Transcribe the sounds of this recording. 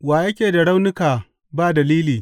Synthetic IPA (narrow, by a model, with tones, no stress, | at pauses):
waː˨jɐ˦kʲeː˨da˨ɽa˦wnɪ˦kaː˨ | baː˦˨dɐ˨liː˦liː˨